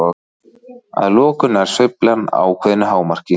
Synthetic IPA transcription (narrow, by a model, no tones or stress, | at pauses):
ɔ | a̰ðlɔːkʏnaɾ̥sœjplana̰wkʰvɛðnʏɦaːwmar̥cɪ